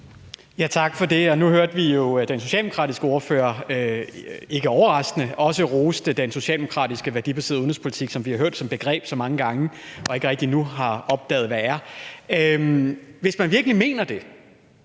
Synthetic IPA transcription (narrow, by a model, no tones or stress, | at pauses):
jæt͡sʰɑ̈ɡ̥fɒ̽de̝ɒ̽nuɦøɐ̰d̥ʋijo̝d̥enso̝ɕɛ̰ldemoʁɑ̰ːd̥isɡ̥əo̝ːɐfø̰ːɐ | e̝ɡ̥əɒʊɐʁɑ̈sɡ̥nəɒ̽səʁoːsd̥əd̥enso̝ɕɛ̰ːld̥emo̝kʰʁɑ̰̈ːd̥isɡ̥əʋæɐd̥ibæse̝̰ð̩ˠoðn̩ˠspʰo̝li̥t͡sʰiɡ̥sɒ̽mʋihɑɦøɐ̰d̥sɒ̽mb̥e̝ɡ̥ʁɛ̰ːb̥sɒ̽mɑ̈ŋəɡ̥ɑ̈ŋəʔɒ̽e̝ɡ̥əʁɛɡ̥̚d̥inuɦɑ̈ɒ̽b̥̚d̥ɛ̰ːð̩ˠʋææɐ | mʋe̝smænʋiɐɡ̥əlime̝̰ːnɐd̥e̝